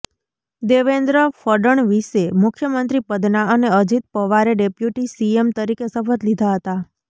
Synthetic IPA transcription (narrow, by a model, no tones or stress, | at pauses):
d̪eʋend̪ɾəfəɖəɳʋiʃemʊkʰjəmənt̪ɾipəd̪naəneəd͡ʒit̪̚pəʋaɾeɖepjuʈisiemt̪əɾikesəfət̪lid̪ʱaɦət̪a